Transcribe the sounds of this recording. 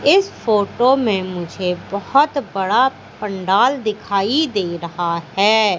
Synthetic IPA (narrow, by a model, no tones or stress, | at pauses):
ɪsfoːʈomẽmʊd͡ʒʱebɐhʊt̪bɐɽa | pɐ̃ɳɖaːld̪ɪkʰaːid̪eːɾɐɦahɛː